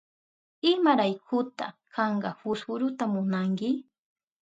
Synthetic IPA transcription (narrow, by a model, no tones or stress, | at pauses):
ɪmaɾajkʰʊt̪a̰kʰɑɴɢɑhʊsʊɾʊt̪amʊnaŋkɪ